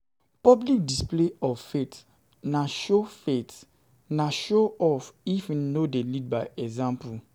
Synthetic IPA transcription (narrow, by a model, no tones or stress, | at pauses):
pɔblik̚displeɔvfet | naʃofet | naʃoɔfifnodelid̚baɪɛzãmpu